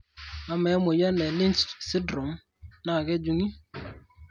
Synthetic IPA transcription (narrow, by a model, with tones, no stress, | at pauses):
a˨mɛ˨˦mʊ˨ja˦nɛ˨lɪ˦nt͡ʃsɪ˦dɾɔ˨m | na˦˨kɛ˦d͡ʒu˦ŋi˦